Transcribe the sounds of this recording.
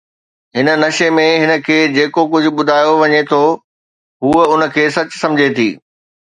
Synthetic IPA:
ɦɪnə̆nɐʃemẽɦɪnə̆kʰeːd͡ʑeːkokʊd͡ʑʱʊ̆ɓʊd̪ʱaːjoʋɐɲet̪ʰo | ɦuːʊnə̆kʰeːsɐt͡ɕsɐ̃md͡ʑʱet̪ʰḭː

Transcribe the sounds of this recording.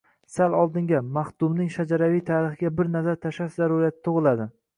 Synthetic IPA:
salɒlˠd̪ɪŋɡʲamaχdt̪ʊmnɪŋʃad͡ʒaɾavijt̪ʰaɾɪχɡʲabɪɾnazaɾt̪ʰaʃaʃzaɾʊɾijat̪ʰɪ̥t̪ʰoʁɨlˠad̪ɪ

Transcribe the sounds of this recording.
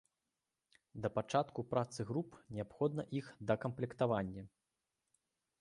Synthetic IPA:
d̪ɐpat͡ʂat̪kupɾat̪sɨɣɾupnʲɛapxɔd̪̚nɐʔixd̪ɐkɐmplʲɛkt̪avanʲːɐ

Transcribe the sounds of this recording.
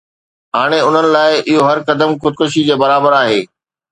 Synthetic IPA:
ɦaːɽ̃eʊn̤ənɪ̆laːɪʔɪɦoɦɐɾkɐd̪əmxʊd̪̚kʊʃ̬id͡ʑeːbɐɾaːbəɾaːɦeː

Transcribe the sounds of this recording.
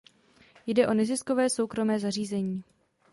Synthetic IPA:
jdɛʔo̞nɛzɪsko̞vɛːso̞wkɾo̞mɛːzar̝iːzɛɲiː

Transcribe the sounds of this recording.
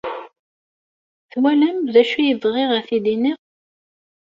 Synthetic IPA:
θwælæmðæʃujəðˤʁɪʁæθid̪iniʁ

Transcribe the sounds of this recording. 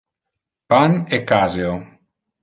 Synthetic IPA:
panekazeo

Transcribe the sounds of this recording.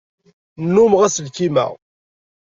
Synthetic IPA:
nːumʁæsəlkimæ̰ʁ

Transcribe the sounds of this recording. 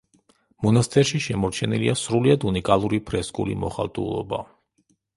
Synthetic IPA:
mɔnast̪ʼʰɛɾʃiʃɛmɔɾt͡ʃʰɛniliasɾuliad̪unikʼalˠuɾipʰɾɛskʼṵlḭmɔχa̰lˠt̪ʼṵlˠɔ̰ba

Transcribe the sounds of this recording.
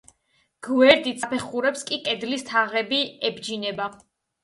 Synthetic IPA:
ɡ̥wɛɾd̪it̪sʰapʰɛχuɾɛpskʼikʼɛd̪list̪ʰaʁɛbiɛbd͡ʒinɛba

